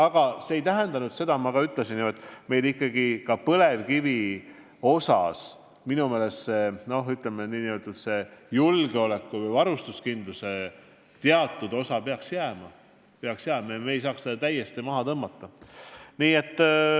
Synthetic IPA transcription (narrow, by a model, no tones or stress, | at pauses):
ɑɡ̥ɑseejt̪æɦend̪ɑnud̪̥se̞d̪ɑmɑɡ̥ɑyt̪ːˑlesinːot̪ːˑme̞jlikˑːɑɡikɑpɤle̞vkivi | o̞sɑ̰s | minume̞ːle̞sse̞no̞hyt̪ˑlemeniːniø̞lt̪ud̪̥se̞julɡ̥eo̞le̞kːuvɤjvɑɾust̪uskind̪̥luse̞ | t̪eɑt̪ːˑud̪̥o̞sɑpeɑksjæːmɑ | peɑksjæːmɑemeːjsɑːksed̪̥ɑt̪æjːest̪imɑɦɑt̪ɤmːɑt̪ːɑniːe̞t̪ːˑ